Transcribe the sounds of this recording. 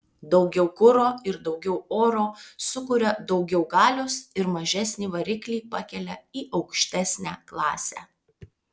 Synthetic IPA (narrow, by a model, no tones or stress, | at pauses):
d̪ɒʊɡʲɛʊkʊɾoːɪɾd̪ɒʊɡʲɛʊoːɾoːsʊkʊɾʲɛd̪ɒʊɡʲɛʊɡɑːlʲoːsɪɾmɐʒʲæsʲnʲiːʋɐɾʲɪklʲiːpɐkʲɛlʲɛiːʔɐʊkʃʲt̪ʲæsʲnʲæːklˠɑːsʲæ̰ː